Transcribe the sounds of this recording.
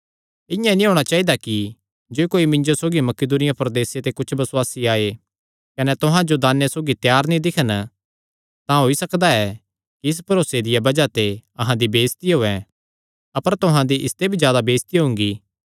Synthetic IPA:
ɪ̃jãnĩɦoːɽ̃at͡ʃaːɦid̪aki | d͡ʒoːikoːimɪ̃ɲd͡ʒosoːɡimɐkɪd̪uːnɪjapɐɾd̪eːset̪ekʊt͡ʃʰbɐswaːsiaːe | kɐnɛt̪ʊɦãd͡ʒod̪aːnjesoːɡit̪jaːɾnĩd̪ɪkʰən | t̪ãɦoːisɐkd̪aɛ | kiɪs̬pɐɾoːsed̪ɪjabɐd͡ʒat̪eɐɦãd̪ibeːst̪iɦoːɛ̃ | ɐpəɾt̪ʊɦãd̪iʔɪst̪ebʱizjaːd̪abeːst̪iɦʊ̃ŋ̆ɡiː

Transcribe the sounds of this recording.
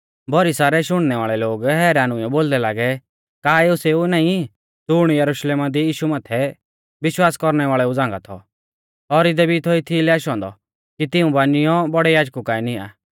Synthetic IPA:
bʱɔɾisaːɾɛʃʊɽ̃nɛʋaːɭɛloːɡɦɛːɾaːnʊ̃jɔboːld̪ɛlaːɡɛ | kaːeʊseːunaːĩ | t̪ʊɽ̃jɐɾʊʃleːmad̪ijiːʃumaːt̪ʰɛ | ʋɪʃwaːskɔɾnɛʋaːɭɛud͡zãːŋɡat̪ʰɔ̰ | ɔɾɪd̪ɛbit̪ʰoit̪ʰilɛaːʃɦɔ̃ːnd̪ɔ | kit̪ɪũbaːnɪjɔbɔɽɛjaːd͡ʒkukaːinɪa̰ː

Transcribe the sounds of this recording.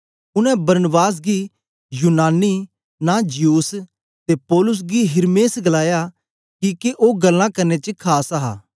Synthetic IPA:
ʊnɛ̃bɐɾnəbaːs̬ɡi | juːnaːni | nad͡ʒɪjuːs | t̪epɔːlʊs̬ɡiɦɪɾmeːsɡɐlaːja | kiːkeʔoːɡɐlːãkɐɾnet͡ʃəkʰaːsaɦa̰ː

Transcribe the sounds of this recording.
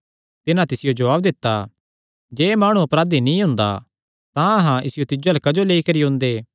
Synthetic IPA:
t̪ɪnãt̪ɪsɪjod͡ʒɐʋaːb̚d̪ɪt̪ːa | d͡ʒeːmaːɽ̃uɐpɾaːd̪inĩɦʊ̃ːnd̪a̰ | t̪ãɐɦãɪ̰sɪjot̪ɪd͡ʒɐlkɐd͡ʒoleːikɐɾiɦʊ̃nd̪eː

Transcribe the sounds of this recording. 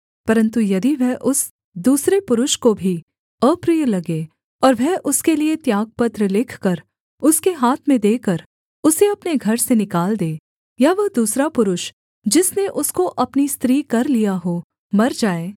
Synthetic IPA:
pɐɾə̃nt̪ujɐd̪iʋɛɦʔʊs | d̪uːsɾepʊɾʊʃkobʱi | əːpɾijəlɐɡeː | ɔːɾʋɛɦʔʊskeliet̪jaːɡ̚pɐt̪ɾəlɪkʰkɐɾ | ʊskeɦaːt̪ʰmẽd̪eːkəɾ | ʊseɐpneɡʱɐɾsenɪkaːld̪eː | jaʋɐɦd̪uːsɾapʊɾʊʃ | d͡ʒɪsneʔʊskoʔɐpnist̪ɾiːkɐɾlijaɦo | mɐɾd͡ʒaːeː

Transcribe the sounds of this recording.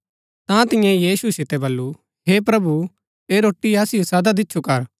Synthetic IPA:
t̪ãt̪ɪ̃jɛ̃jiːsusɪt̪ɛbɐlːu | ɦeːpɾɐbu | eːɾoːʈːiɐːsɪjosɐd̪ad̪ɪtːʃʰukɐɾ

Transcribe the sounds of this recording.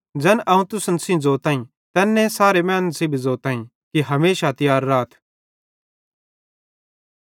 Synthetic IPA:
d͡zɛːnʔɐũt̪ʊsənsĩd͡zoːt̪aːĩ | t̪ɛːnːɛ̃saːɾemɛ̃ːnːsiːbʱzoːt̪ãːĩ | kiɦɐmeːʃat̪ɪjaːɾːaːt̪ʰ

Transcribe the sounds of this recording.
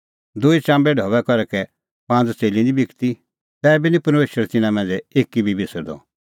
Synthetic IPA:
d̪ʊit͡ʃãːmbɛɖʱɔːʋɛkɔɾɛkɛ | pãːnd͡zt͡seːlĩd̪ibikt̪i | t̪ɛːɛbinipɐɾmeːʃəɾɛt̪ɪnãmɛ̃nd͡zɛeːkːibʱibʱɪsəɾd̪ɔ̰

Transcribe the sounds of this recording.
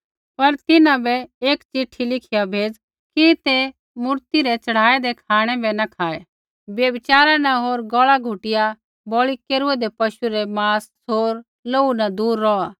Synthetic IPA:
pɐɾt̪ɪnãbɛeːkt͡ʃɪʈʰːilɪkʰɪjabʱeːd͡z | kit̪e | mʊɾt̪iɾɛt͡ʃɐɽ̤aːɛd̪ɛkʰaːɽ̃ɛbɛnɐkʰaːe | bjɐbɪt͡ʃaːɾanɐɦoːɾɡɔːɭaɡʱʊʈɪja | bɔːɭikeːɾuɛd̪ɛpɐʃuɾɛmaːs | ɦoːɾ | loːunɐd̪uːɾːɔaː

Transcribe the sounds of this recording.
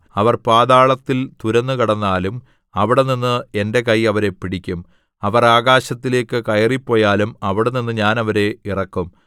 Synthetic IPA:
ɐʋɐrpaːðaːɭɐt̪ːilt̪uɾɐnːɨkɐɽɐnːaːlum | ɐʋiɽeninːɨe̞nde̞kɐjɐʋɐɾe̞piɽikʲːum | ɐʋɐraːɣaːɕɐt̪ːile̞ːkːɨkɐjɐripːo̞ːjaːlumɐʋiɽeninːɨɲaːnɐʋɐɾe̞irɐkːum

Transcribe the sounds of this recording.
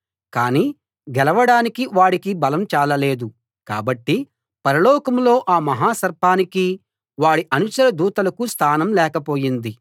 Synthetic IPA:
kaːniː | ɡɛlɐʋɐɽaːnikiʋaːɽikibɐlɐmt͡ʃaːlɐle̞ːd̪u | ka̰ːbɐʈːi | pɐɾɐlɔːkɐmlo̞ːʔaːmɐɦaːsɐɾpaːniki | ʋaːɽiʔɐnut͡ʃɐɾɐd̪uːt̪ɐlɐkust̪ʰaːnɐmlɛːkɐpo̞ːjind̪i

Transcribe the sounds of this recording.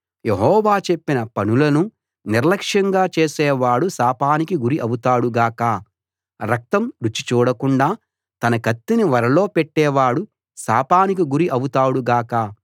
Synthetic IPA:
jeɦɔːʋaːt͡ʃe̞pːinɐpɐnulɐnu | niɾlɐkʂjɐŋɡaːt͡ʃeːsɛːʋaːɽusaːpaːnikiɡuɾiʔɐwut̪aːɽuɡaːkɐ | ɾɐk̚t̪ɐmɾut͡ʃːi̥t͡ʃuːɽɐkuɳɖaː | t̪ɐnɐkɐt̪ːiniʋɐɾɐlo̞ːpeʈːɛːʋaːɽu | sa̰ːpaːnik̬iɡuɾiʔɐwut̪aːɽuɡaːkɐ

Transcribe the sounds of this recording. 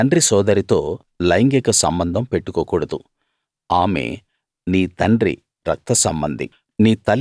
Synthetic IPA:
ɐɳɖɾisɔːd̪ɐɾit̪o̞ː | lɐjŋɡekɐsɐmbɐnd̪ʱɐmpe̞ʈːukoːkuːɽɐd̪u | aːmḛː | niːt̪ɐɳɖɾḭ | ɾɐk̚t̪ɐsɐmbɐnd̪ḭ | niːt̪ɐl

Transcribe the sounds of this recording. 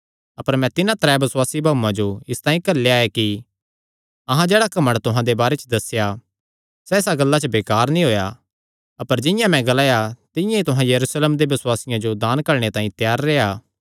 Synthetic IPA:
ɐpəɾmɛ̃t̪ɪnãt̪ɐɾɛbɐswaːsibʱaːuːãd͡ʒoɪst̪ãːĩkɐɾlːeaːjaki | ɐɦãd͡ʒeːɽakɐməɽt̪ʊɦãd̪ebaːɾet͡ʃd̪ɐsja | sɛɪsaɡɐlːat͡ʃəbeːkaːɾnĩɦoːja | ɐpəɾd͡ʒɪ̃jãmɛ̃ɡɐlaːjat̪ɪ̃jãit̪ʊɦãjɐɾuːsleːmd̪ebɐswaːsɪjãd͡ʒod̪aːnkɐɾɽ̃et̪ãːĩt̪jaːɾːeːaː

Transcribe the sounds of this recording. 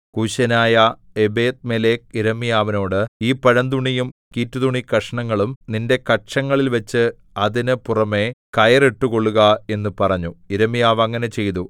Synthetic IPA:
kuːɕɐnaːjɐ | ebeːt̪̚meleːk̚iɾɐmːijaːʋɐno̞ːɽɨiːpɐɻɐnd̪uɳijumkiːtːuðuɳikɐʂɐɳɐŋːɐɭumninde̞kɐʈʂɐŋːɐɭilʋɐt͡ɕːɨ | ɐðinɨpurɐme̞kɐjɐreʈːuko̞ɭːuɣɐe̞nːupɐrɐɲːuiɾɐmːijaːʋɐŋːɐne̞t͡ɕe̞jt̪u

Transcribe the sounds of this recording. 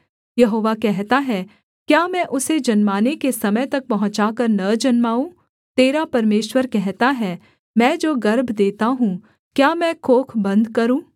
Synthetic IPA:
jɐɦoːʋakɛɦt̪aɦɛː | kjaːmɛ̃ʔʊsed͡ʒɐnmaːnekesɐməjt̪ɐk̚pɐɦʊ̃t͡ʃaːkəɾnɐd͡ʒɐnmaːũː | t̪eːɾapɐɾmeːʃwəɾkɛɦt̪aɦɛː | mɛ̃ːd͡ʒoːɡɐɾbʱd̪eːt̪aɦũ | kjaːmɛ̃kʰoːkʰbɐ̃nd̪kɐɾũː

